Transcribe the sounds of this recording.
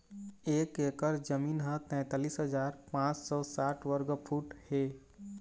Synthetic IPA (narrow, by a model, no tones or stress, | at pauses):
eːkeːkəɾd͡ʒəmiːnɦə̃t̪ɛ̃ːt̪aːliːsɦəd͡ʒaːɾpãt͡ʃsɔ̃ːsaʈʰwəɾɡəpʰuːʈhe